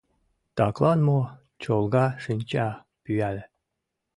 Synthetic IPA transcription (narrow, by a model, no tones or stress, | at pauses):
t̪ɑklˠɑnmo | t͡ɕolˠɡɑʂɘnʲt͡ɕæ | pyælʲ